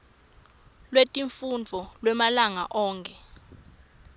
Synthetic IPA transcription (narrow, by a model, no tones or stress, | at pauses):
lwetʼiɱfund͡vʱɔlwɛmalaŋa̰ʔɔːŋkʰʼɛ